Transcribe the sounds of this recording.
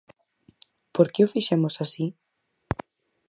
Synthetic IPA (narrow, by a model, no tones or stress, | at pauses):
poɾkeʊfiʃemosasi